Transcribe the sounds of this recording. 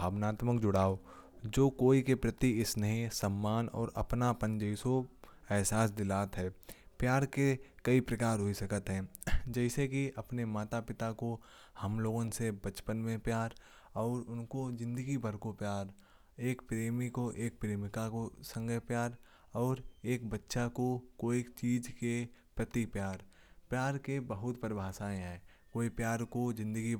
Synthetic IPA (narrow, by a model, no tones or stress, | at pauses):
bʱaːʋnaːt̪məkd͡ʒʊɽaːo | d͡ʒoːkoːikepɾət̪iɪsnɐɦĩsɐmːaːnɔ̰ːɾɐ̰pnapə̃nd͡ʒəiso | ɛːɦsaːsd̪ɪlaːt̪ɦɛːpjaːɾkekɐipɾɐkaːɾɦoisɐkət̪ɦɛ̃ːd͡ʒɛːsekiɐpnemaːt̪apɪt̪ako | hɐmloːɡõsebɐt͡ʃpənmẽpjaːɾ | ɔːɾʊnkozɪ̃nd̪əɡibʱəɾkopjaːɾ | eːkpɾeːmikoʔeːk̚pɾeːmɪkakosə̃ŋɡəpjaːɾ | ɔːɾeːkbɐtːʃakokoːit͡ʃiːd͡ʒkepɾɐt̪ipjaːɾ | pjaːɾkebəɦʊt̪pəɾbʱaːsaːẽɦɛː | koːipjaːɾkod͡ʒɪ̃nd̪əɡi